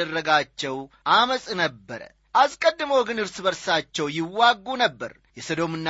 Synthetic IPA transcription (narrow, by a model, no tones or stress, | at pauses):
ərːəɡat͡ʃːɛwʔaməsʼnəbːəɾə̰ | ʔaskʼəd̪ːɨməwɡɨnɨɾsɨbəɾsat͡ʃːɛwjɪwːaɡːunəbːə̰ɾ | jɛsəd̪o̞mɨnːa